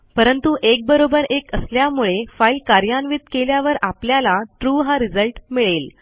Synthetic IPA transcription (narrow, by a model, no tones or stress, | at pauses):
pəɾənt̪uʔek̚bəɾobəɾekəsljamuɭefailkaɾjanʋit̪keljaʋəɾapljalaʈɾuɦaɾid͡zəlʈmiɭel